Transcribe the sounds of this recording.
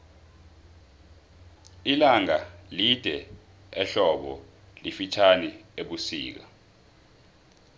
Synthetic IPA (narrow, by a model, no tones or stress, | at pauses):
ilaŋalid̥ʱɛ | ɛɬɔɓɔ | lifit͡ʃʰanieɓusḭːk̬a